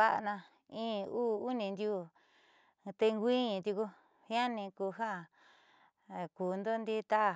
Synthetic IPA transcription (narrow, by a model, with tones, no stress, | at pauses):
a˦ʔnã˧ | ĩː˦uː˦˨u˦nĩ˧nd̪ʲju˦˧˨ | t̪e˧ŋɡʷĩ˦ɲĩ˧t̪ʲu˧ku˧ | hj̃a˦nĩ˧ku˧ɦã˦˨ | kuː˨nd̪o˦nd̪i˦t̪a˦ʔ